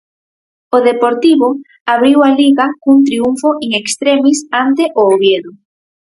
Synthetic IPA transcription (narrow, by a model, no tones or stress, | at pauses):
oðepoɾt̪iβʊ | aβɾiwaliɣakunt̪̬ɾiuɱfoʔeŋekst̪ɾemisant̪eʔoːβjeðʊ